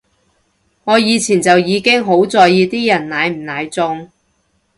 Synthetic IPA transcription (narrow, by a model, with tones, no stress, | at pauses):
ŋɔː˨˧jiː˨˧t͡sʰiː˨˩nt͡sɐ˨wjiː˨˧kɪ˥ŋɦo˨˥wt͡sɔː˨jjiː˨˧t̪iː˥jɐ˨˩nnaː˨˧jm̩˨˩naː˨˧jt͡sʊ˧ŋ